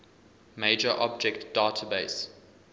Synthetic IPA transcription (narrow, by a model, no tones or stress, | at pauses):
meɪd͡ʒəʔɔb̚d͡ʒɛktd̥aːtʰəbeɪs